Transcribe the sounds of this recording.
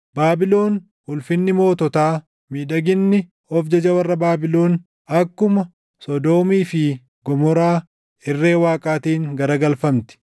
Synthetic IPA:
baːbɪlo̞ːn | hʊlfɪnːɪmo̞ːt̪ɔt̪aː | miːᶑɐɡɪnːɪ | ɔfd͡ʒɐd͡ʒɐwɐrːɐbaːbɪlo̞ːn | ɐkːʊmɐ | sɔd̪o̞ːmiːfɪ | ɡɔmɔɾaː | ɪrːe̞ːwaːkʼaːt̪iːŋɡɐɾɐɡɐlfɐmt̪ɪ̥

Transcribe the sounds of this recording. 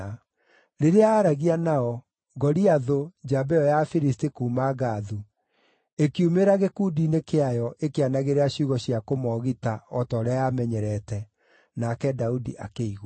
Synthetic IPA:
ɾeɾeaːɾaɣianaɔ | ɡɔɾiaðod͡ʒabɛɔjafiɾistikuːmaɣaːðu | ekiumeɾaɣekudinekeajɔʔekeanaɣeɾeaɕuɣɔɕiakomɔɣitaɔtɔːɾɛajamɛɲɛɾɛtɛ | nakɛdaudḭʔa̰keiɣw

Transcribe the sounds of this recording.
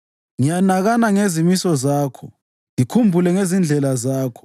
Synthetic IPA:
ŋijanaɣanaŋezimisɔzaːkʰɔ | ŋikʰumbʱulɛŋezind͡ɮʱɛlazaːkʰɔ̥

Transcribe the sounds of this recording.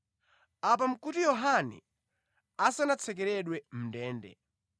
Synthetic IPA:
ap̬am̩kutijɔɦanɛ̰ | asanat͡sʰɛk̬ɛɾɛɗwɛm̩ndɛːndɛ̰

